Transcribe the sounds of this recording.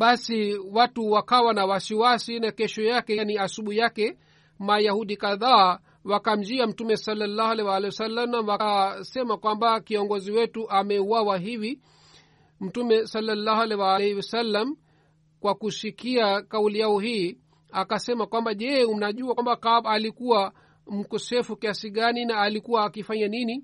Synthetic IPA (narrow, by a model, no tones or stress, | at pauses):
ɓasiwatuwakawanawasiwasinakɛʃɔjakɛniasuɓuhijakɛ | majahuɗikaðaː | wakam̩d͡ʒiam̩tumɛsalːalːaːhalɛwalɛiwasalːalamwasɛmakwambakiɔŋɡɔziwɛtuʔamɛuwawaɦivi | m̩tumɛsalːalːahalɛwalɛhwasalːam | kwakuʃikiakaulijaɔhiː | akasɛmakwambaʄɛunaʄuakwambakaɓalikuwa | m̩kɔsɛfukiasiɠaninaːlikuwaːkifaɲanini